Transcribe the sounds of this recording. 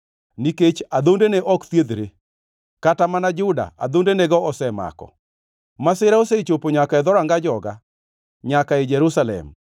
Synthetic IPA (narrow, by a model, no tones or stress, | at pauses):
niket͡ʃad̪ondeneʔɔkt̪jed̪ɾe | katamanad͡ʒʊda̰a̰d̪ondenɛɡɔɔsɛma̰kɔ̰ | masɪɾaoset͡ʃopoɲakaɛd̪ɔɾaŋɡad͡ʒɔɡa̰ | ɲakaed͡ʒɛɾusalɛ̰m